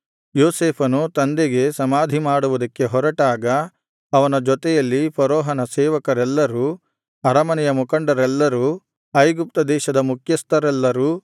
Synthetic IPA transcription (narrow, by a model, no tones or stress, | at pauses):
joːseːpʰɐnut̪ɐnd̪eɡe̞sɐmaːd̪ʱimaːɽuʋud̪ɐkːe̞ɦɔɾɐʈaːɡɐ | ɐʋɐnɐd͡ʒɔt̪ɛjɐlːipɐɾoːɦɐnɐsɛːʋɐkɐɾɛlːɐɾuː | ɐɾɐmɐnɛjɐmukɐɳɖɐɾɛlːɐɾuː | ɐjɡup̚t̪ɐd̪ɛːʃɐd̪ɐmukʰjɐst̪ɐɾɛlːɐɾuː